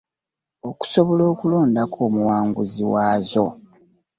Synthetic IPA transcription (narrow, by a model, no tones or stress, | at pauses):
o̞ku̥so̞βolo̞ːkuloːndakʰoːmuwaːŋɡuziwaːzo̞